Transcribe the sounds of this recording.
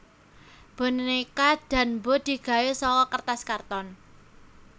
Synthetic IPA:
b̥o̤nnikad̪̥ä̤nbo̤d̪̥i̤ɡ̥a̤jesɔkɔkərt̪askart̪ɔn

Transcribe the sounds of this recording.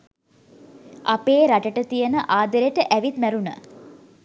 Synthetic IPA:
ʔapeːɾaʈəʈət̪ijənəʔaːd̪əɾeʈəʔæʋit̪mæɾunə̰

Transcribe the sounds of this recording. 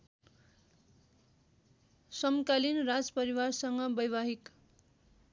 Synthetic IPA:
sʌmkalinrad͡zpʌɾiwarsʌŋɡʌbʌjbaɦik

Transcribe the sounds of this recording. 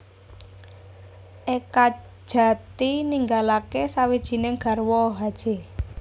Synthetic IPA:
ʔekḁ | ʒ̥a̤t̪iniŋɡalakesawid̥ʒ̥i̤neŋɡ̥a̤rwɔɦad̥ʒ̥e̤

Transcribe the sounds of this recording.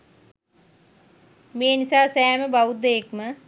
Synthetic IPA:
meːnisaːsæːməbaʋud̪ejekmə

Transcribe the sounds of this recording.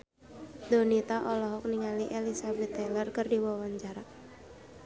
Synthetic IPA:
d̪onit̪aʔɔlɔɦɔk̚niŋaliʔelisabɛt̪ːɛlərkərdiwɔwand͡ʒaɾaʔ

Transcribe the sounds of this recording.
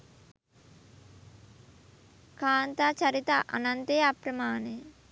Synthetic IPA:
kaːnt̪at͡ʃɐɾit̪aʔɐ̰nɐnt̪eːɐpɾɐmaːne

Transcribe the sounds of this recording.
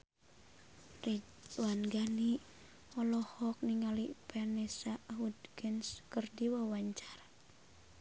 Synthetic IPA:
rid͡ʒ | uwanɡani | ɔlɔhɔk̚niŋalipʰɛnɛsaɦudɡənskərdiwawaɲt͡ʃḁra

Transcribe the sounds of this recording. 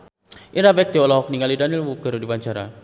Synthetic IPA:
ʔiɾabɛk̚t̪iɔlɔɦɔk̚niŋalidanilwukəɾudipaɲt͡ʃaɾa̰

